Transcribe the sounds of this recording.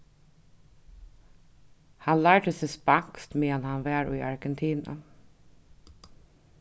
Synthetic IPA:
hɑnlæːɖəsɛspɑkst̪meːɑnhɑnʋæːɾyːʔɑɹɡɛnt̪ʰiːnɑ̰

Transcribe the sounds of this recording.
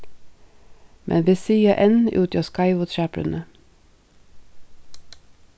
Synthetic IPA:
mʔɛ̰nʋiːsiːəʔɛnʉːt̪ɑːskɑɪʋʊt̪ʃæːpɾʉ̰nə

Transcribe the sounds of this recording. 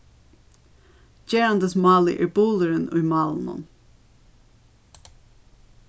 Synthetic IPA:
d͡ʒeːɑnd̪əsmɑːlḭʔɪbuːləɾənʊ̰ːmɑːlˠnɔ̰n

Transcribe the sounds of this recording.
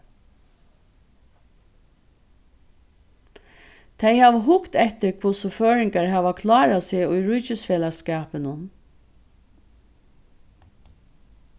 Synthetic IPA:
t̪ʰɛjhaːʋɦʊkt̪ɛht̪ɪɾkʰvʊsʊføːɹɪŋkaɹɦaːʋakʰlɑːɾaseːʊjɹujt͡ʃɪsfɛːlaskaːpɪnʊn

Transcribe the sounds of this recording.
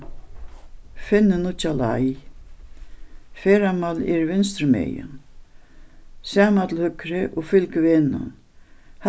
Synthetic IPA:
fɪnːʏnut͡ɕala̰j | fɛːɾamalɛ̰ɾvɪnst̪ɾʏmɛ̰jʏ̰n | saːmat̪ʰɪlhʏkɾɪʔɔɣfɪlkvɪna̰n | h

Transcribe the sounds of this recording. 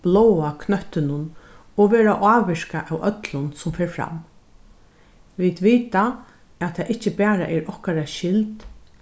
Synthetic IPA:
b̥lɔwakʰnœht̪ɪnʊn | ɔʋeːɾaʔaːʋɪʂkaʔæwʔœt̪lʊnsʊmfeːɹfɾa̰m | ʋid̪ʋiːt̪a | æt̪ʰaːʔɪht͡ʃəpæːɾa̰ʔɛɾɔhkaɾaʃɪlt̪

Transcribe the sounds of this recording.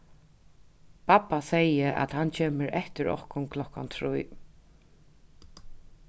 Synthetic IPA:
pʰapasɛjəʔa̰t̪hant͡ɕʰeːməɾʔɛht̪əɹɔ̰hkʊnkʰlɔka̰nt̪ʰɹuj

